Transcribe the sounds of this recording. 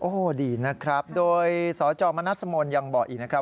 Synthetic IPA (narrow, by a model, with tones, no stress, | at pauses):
ʔoː˧˩diː˧˩na˦˥kʰɾa˦˥p̚doː˧jsɔː˩˦t͡ɕɔː˧ma˧na˦˥t̪̚sa˧moː˧nja˧ŋbɔː˨k̚ʔiː˨˩na˦˥kʰɾa˦˥